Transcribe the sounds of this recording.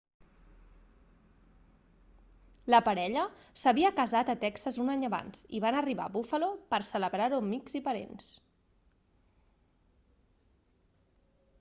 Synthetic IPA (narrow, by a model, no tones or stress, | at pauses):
ləpəɾɛʎəsəβiəkəzat̪ət̪ɛksəzunaɲəβa̰nzḭβanəriβa̰βufəlopəɾsələβɾaɾumiɡzipəɾḛns